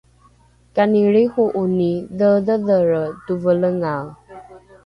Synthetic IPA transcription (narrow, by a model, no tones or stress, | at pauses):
kaniɭihuʔuniðəðəðəɾət̪uvələŋa